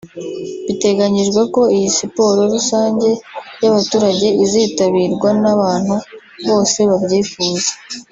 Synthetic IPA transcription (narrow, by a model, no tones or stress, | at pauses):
βite̞ɡaɲiʒɡwako̞ijisipo̞ɾo̞ɾusaːɲɟe̞jaβatuːɾaɟe̞iziːtaβiːɾɡwanaβaːn̥hu | βo̞ːse̞βabɟiːfuːze̥